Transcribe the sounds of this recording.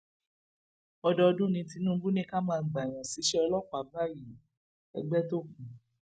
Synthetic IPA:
ɔ˧dɔ˧dũ˦˨nĩ˧ti˧nũː˦bu˦nĩ˦ka˦mãː˧˨ɡ͡ba˨j̃ã˨si˨˦ʃɛ˦ɔ˧lɔ˦˨k͡pa˨˦ba˦˨ji˨ | ɛ̰˧ɡ͡bɛ˦to˦kũ˨

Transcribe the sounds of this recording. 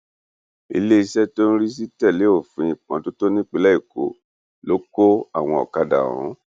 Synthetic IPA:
ḭ˧le˦i˧sɛ˦to˦ñ̩˦ɾi˦s̬i˦tɛ˦˨le˨˦o˦˨fĩ˨˧ĩ˨k͡pã˨˦to˦to˦nĩ˦k͡pe˦lɛ˦i˦˨ko̰˨˦ | lo˨˦ko˦a˦˨w̃ɔ̃˧˨ɔ̰˨ka˧dã̰˨ɔ̰̃˨˦

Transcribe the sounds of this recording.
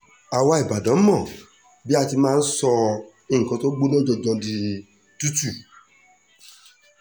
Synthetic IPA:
a˨wa˧i˨ba˨dã˨˦mɔ̃˦˨ | bi˦a˧ti˧mãː˦˧n̩˦sɔ˧ | i˦˨ŋ̩˨kɔ̃˨˧to˦ɡ͡bo˦lɔ̃˦d͡ʒɔ˧d͡ʒɔ̃˧di˧ | tu˦tu˦˨

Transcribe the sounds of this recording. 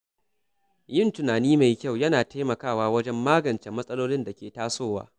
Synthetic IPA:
jɪ˦˨ntʊ˨naː˨niː˦ma˨jkʲa˦˨wjɐ˦naː˨ta˦jmɐ˨kaː˦˨waː˦wɐ˦d͡ʒɛ˦mːaː˦ɡɐ˨nt͡ʃeː˨mɐ˦sʼɐ˦loː˦lɪ˦nda˨kʲeː˨taː˦soː˦˨wa̰ː˦

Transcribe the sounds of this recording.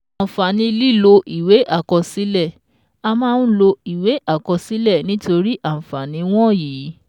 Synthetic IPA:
ã˨fa˨nĩ˧li˦˨lo˧ʔi˨we˨˦ʔa˦˨kɔ˧si˦lɛ˦˨ | a˧mãː˦˧ñ̩˦lo˧i˨we˨˦ʔa˦˨kɔ˧si˨˦lɛ˦˨nĩ˨˦to˧ɾi˦ʔã˦˨fa˨nĩ˨˦w̃ɔ̃˦˨jiː˨˦

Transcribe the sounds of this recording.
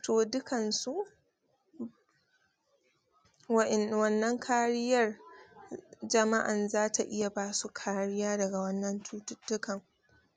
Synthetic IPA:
toː˨dʊ˦kɐ˨nsu˦ | wwɐ˦nːɐ˦ŋkʰaː˦ɾɪ˦jɐ˦r | d͡ʒɐ˨ma˦ʔa˨nzaː˦tʰa˨ʔɪ˦ja˨baː˦su˦kʰaː˦ɽɪ˦jaː˦dɐ˨ɡa˨wɐ˦nːɐ˦ntːtːʊ˦kɐ˨ŋ

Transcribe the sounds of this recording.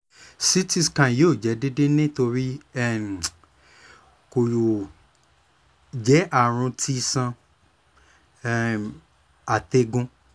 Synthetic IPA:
si˦ti˧skã˨joː˦˨d͡ʒɛ˨˦de˦de˦nĩ˦to˧ɾi˦ɛ˦˨ | ko˨ju˨ | d͡ʒɛ˨˦ʔa˦˨ɾ̃ũ˧tʰi˦sã˧˦˧ | a˨te˧ɡũ˧

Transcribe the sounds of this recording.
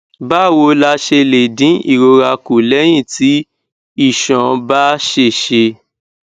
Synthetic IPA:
ba˦˨wo˧la˧ʃe˧le˨dĩ˨˦ḭ˦˨ɾo˧ɾa˧ku˨lɛ˨˦j̃ĩ˦˨ti˨˦ | i˦˨ʃɔ̃˨ba˦ʃe˧˨ʃe˧

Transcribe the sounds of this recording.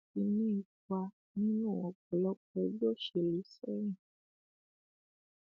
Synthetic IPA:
i˧nĩ˦i˨ka˧ | nĩ˦nũ˦˨ɔ̃˨k͡pɔ˨lɔ˨˦k͡pɛ˨˧d͡ʒo˦˨ʃe˨le˨˦sɛ˦ɾ̃ĩ˦˨

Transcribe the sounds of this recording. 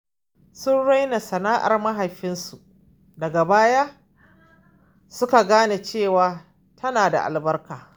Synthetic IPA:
sʊ˦nɽa˦jna˨sɐ˨naː˦ʔa̰˨rmɐ˦ɦa˨jɸɪ˦nsu˨ʔ | dɐ˨ɡa˨baː˦jaː˦ | sʊ˦ka˨ɡaː˦na˨t͡ʃeː˦˨waː˨ | tʰɐ˦naː˨da̰˨ʔa̰˨lbɐ˦rkaː˨

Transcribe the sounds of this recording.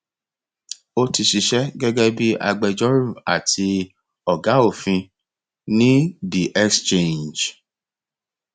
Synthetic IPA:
o˦ti˧ʃi˧ʃɛ˦ɡɛ˦ɡɛ˦bi˦ʔa̰˧ɡ͡bɛ˧d͡ʒɔ˦ɾu˦˨a̰˨tʰi˧ | ɔ˨ɡa˨˦o˦˨fĩ˧ | nĩ˦bi˨ʔɛ˦kst͡ʃẽ˦˨nd͡ʒ

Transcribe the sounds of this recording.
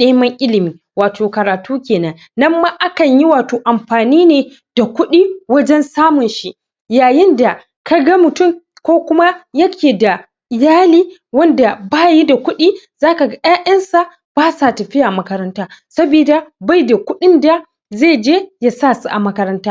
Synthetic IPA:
ɗeː˦mɐ˦ŋʔɪ˦lɪ˨miː˨ | waː˨tʰoː˨kɐ˨ɾaː˨tuː˦kʲeː˨nɐ˨nːɐ˦mːaː˦ʔa˦kɐ˨ɲji˦waː˨toː˨ʔa˨mɸaː˨niː˦neː˨ | d̥a˨kʷʊ˦ɗiː˦wɐ˦d͡ʒɛ˦nsaː˦mʊ˨nʃi˦ | jaː˨jɪ˦nda˨ | ka˦ɡɐ˦mʊ˨tʊ˦˨m | kʷoː˦kʷʊ˦ma˦jɐ˦kʲʰeː˨da˨ | ʔɪ˨jaː˦liː˦wɐ˦nda˨baː˦ji˦da˨kʷʊ˦ɗiː˦ | z̥aː˦ka˨ɡa˦jaː˦ʔɐ˦nsa˨ʔ | b̥aː˦sa˨tɐ˨ɸɪ˦ja˨mɐ˦kɐ˦ɾɐ˦ntaː˦sɐ˦biː˨da˨ba˦jda˨kʷʊ˦ɗɪ˦nda˨ | zeː˦˨d͡ʒeː˦ja˦sa˦˨su˦ʔa˨mɐ˦kɐ˦ɾɐ˦ntaː˦

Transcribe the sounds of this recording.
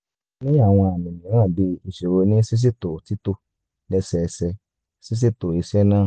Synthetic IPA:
nĩ˦a˦˨w̃ɔ̃˧a˨mĩ˨nĩ˨˦ã˦˨bi˧i˨ʃe˨ɾo˧nĩ˦si˦s̬i˦to˨ti˨˦to˧ | lɛ˧sɛ˨˧sɛ˧ | si˦s̬i˦to˨i˧ʃɛ˦nãː˦˨

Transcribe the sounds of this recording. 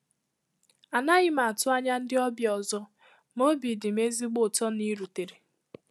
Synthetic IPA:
a˨na˦ɣɪ˦ma˨a˨tʊ˦a˦ɲa˦n̩˦dɪ˦ɔ˦bjɔ˨zɔ˦ | mo˦bi˨dɪ˨m̩˦e˦zi˦ɡ͡bʊ˨tɔ˦ni˦ɾu˨te˨ɾe˨

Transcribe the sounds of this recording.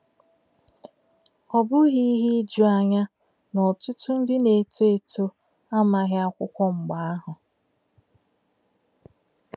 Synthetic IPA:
ɔ˨bʊ˦ɣi˦ɦi˦d͡ʒu˦a˨ɲa˦ | nɔ˨tʊ˦tʊ˦n̩˦dɪ˦ne˨tu˦e˨tʰu˦ | a˦ma˨ɦɪ˦a˦kʷʊ˦kʷɔ˦ŋ͡m̩˨ɡ͡ba˨a˦ɦʊ˨

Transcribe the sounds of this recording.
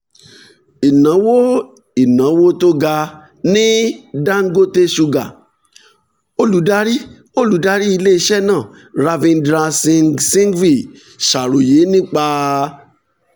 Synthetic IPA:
i˨nã˨˦wo˦ | i˨nã˨˦wo˦to˦ɡa˧ | nĩ˦da˦ŋ̩˦ɡo˦te˦ʃu˧ɡa˨ | o˦lu˨˦da˦ɾi˦ | o˦˨lu˨˦da˦ɾi˦i˧le˦i˧ʃɛ˦˨nãː˦˨ | ɾa˧vĩ˧ndɾa˧sĩ˧ŋsĩ˦ŋ˦ɡɾi˦˨ | ʃa˨ɾo˨je˨˦nĩ˦k͡pa˧

